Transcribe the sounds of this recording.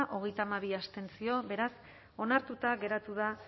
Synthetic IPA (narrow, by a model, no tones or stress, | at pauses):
ʔo̞ɣ̞e̞jt̪aːmaβ̞iast̪e̞nt͡sio̞βe̞ɾas | o̞naɾt̪ut̪aɣe̞ɾat̪uða